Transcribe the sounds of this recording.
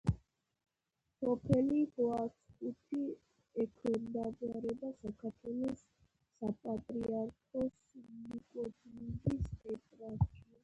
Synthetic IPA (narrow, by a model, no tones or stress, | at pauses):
sɔpʰɛlid̪wat̪sʼkʼut̪ʰi | ɛkʰwɛnd̪aɡaɾɛb̪asakʰaɾt̪ʰwɛlɔsː | apʼat̪ʼɾiaɾkʰɔsnikʼɔt̪ʰnibisɛt̪ʼɾaʃt͡ʃi